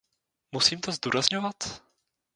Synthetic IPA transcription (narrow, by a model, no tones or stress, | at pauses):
musiːmt̪ozd̪uːɾazɲovat̪